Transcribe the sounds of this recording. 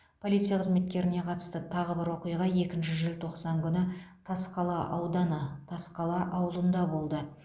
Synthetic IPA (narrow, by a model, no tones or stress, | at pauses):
pʰo̞lʲˠit̪sijaqʰəzme̞t̪̚kʲe̞ɾɪne̞qʰɑt̪ə̥st̪ət̪ʰɑʁəbɪɾwo̞qəjʁɑje̞kʲɪnʃɪʒelt̪ʰo̞qsɑŋkʲʰʏnɪt̪ʰɑsqɑlˠɑʔɑwd̪ɑnət̪ʰɑsqɑlˠɑʔɑwlˠənd̪ɑbo̞lˠd̪ə